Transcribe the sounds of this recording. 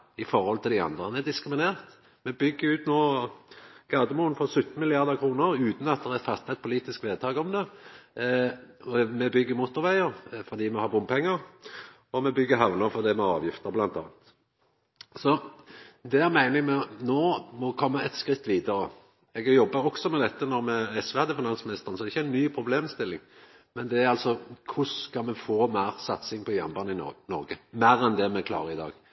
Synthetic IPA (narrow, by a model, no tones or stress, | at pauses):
ɪfɔɾhɔlt̪ʰɪld̪ɪɑ̰nd̪ʁənɛd̪ɪskɾɪmɪneːɾt̪ | mɛbʏɡːəʉːt̪noː | ɡ̥ɑːd̪əmuːnfɔsʉt̪n̩mɪlɪɑʁd̪əʁkʰɾuːnəɾʉːt̪n̩ɑt̪̚d̪ɛʁɛfɑt̪ːɑɛt̪pʰʊliːt̪ɪskʋeːd̪t̪ʰɑːɡɔmd̪ɛ | mɛbʏɡːəmʊt̪ːʊɾʋæɪəɾfɔd̪iːmɛhɑbʊmpʰɛŋːəʁ | ɔmɛbʏɡːəɦɑʋnəfɔd̪ɛmɛɑ̰ːʋjɪft̪əblɑnt̪ʰɑ̰ːnt̪ | sɔ | d̪ɛæʁmæɪnɪŋmɛnoːmɔkʰɔmːəɛt̪skɾɪt̪ːʋiːd̪ɑɾə | ɛɡjɔbːəɾɔksɔmɛd̪ɛt̪ːənɔɾmɛɛsʋɛɑd̪əfɪnɑnsmɪnɪst̪əʁənsɔd̪ɛɾɪçːəæɪnːyːpʰɾʊbleːmst̪ɪlːɪŋ | mɛnd̪ɛæɾɑlsɔkʰʊskɑmɛfoːmæːʁsɑt̪sɪŋpʰɔjæ̰ʁnbɑnɪ̰nɔɾɡəmæːɾɛnd̪ɛmɛkʰlɑ̰ːɾʁəɪd̪ɑ̰ːɡ